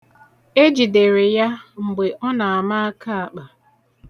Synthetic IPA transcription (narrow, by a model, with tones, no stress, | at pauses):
e˦d͡ʒi˨de˨ɾe˨ja˦ŋ͡m̩˨ɡ͡be˨ʔɔ˦na˨a˨ma˦a˦ka˦a˨k͡pa˨